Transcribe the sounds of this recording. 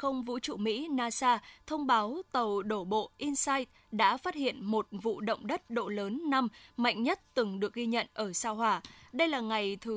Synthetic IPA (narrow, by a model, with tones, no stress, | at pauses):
xə˧wŋ͡mvṵ˧˥t͡ɕṵ˧˨mḭ˧˥naː˧saː˧t̪ʰə˧wŋ͡mɓaː˨˦wt̪ə˨˩wɗo˧˩ɓo̰˧˨ʔi˧nsaː˧jt̚ | ɗa̰ː˧˥faː˦˥t̚hḭ˧˨ənmo˨˩t̚vṵ˧˨ɗə̰˧˨wŋ͡mɗə˦˥t̚ɗo̰˧˨ləː˨˦nːa˧mma̰˧˨jŋ̟ɲə˦˥t̚t̪ɨ˨˩ŋɗɨ˨˩ək̚ɣi˧ɲə̰˧˨nʔəː˧˩saː˧ɦwaː˧˩ɗə˧jlaː˨˩ŋa˨˩jt̪ʰɨ˨˦